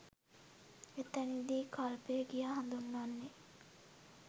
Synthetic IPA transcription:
et̪ənid̪iːkʰalpeəɡijaːɦand̪unːanːe

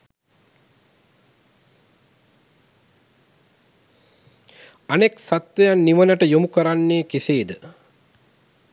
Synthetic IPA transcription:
aneksat̪ʋejanːiʋənəʈəjomukəɾanːeːkeseːd̪ə

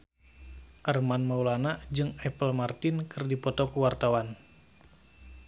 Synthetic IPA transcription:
ʔərmanmaulanad͡ʒɨŋɛpəlmart̪ɪnkʰɨrdipɔt̪ɔkuwart̪awan

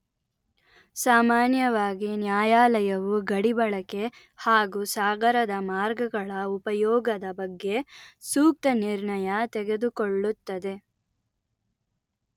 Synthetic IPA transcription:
saːmaːnjɐʋaːɡinjaːjaːlɐjɐʋuɡɐɽibɐɭɐke̞ | haːɡusaːɡɐɾɐd̪ɐmaːɾɡɐɡɐɭɐupɐjɔːɡɐd̪ɐbɐɡːe̞suːk̚t̪ɐniɾɳɐjɐt̪eɡe̞d̪ukoɭːut̪ːɐd̪e̞

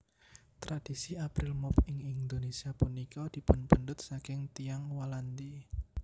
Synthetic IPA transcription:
t̪ɾad̪̥isiapɾɪlmɔpɪŋind̪onesiapunikɔd̪̥i̤pənpənd̪ʊt̪̚sakɪŋt̪iaŋwaland̪i

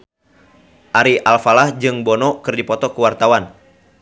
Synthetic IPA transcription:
ʔaɾiʔalfalahd͡ʒɨŋbɔnɔkɨrdipɔt̪ɔkəwart̪awan

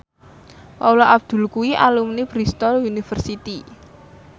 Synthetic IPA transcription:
paulɔʔab̚d̪̥ṳlkuiʔalumnib̥ɾist̪ɔlunifərsit̪i

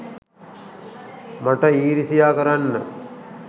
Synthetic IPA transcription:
maʈəiːɾisijaːkəɾanːə

